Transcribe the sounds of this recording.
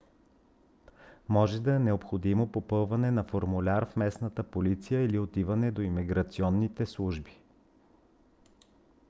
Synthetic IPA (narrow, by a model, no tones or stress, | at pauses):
mɔʒɛd̪ɐɛnɛopxod̪imopopɤlˠvɐnɛnɐfoɾmulʲaɾfmɛsnət̪əpolit̪sijəiliot̪ivənɛd̪oimiɡɾɐt̪siɔnːit̪ɛslˠuʒbi̥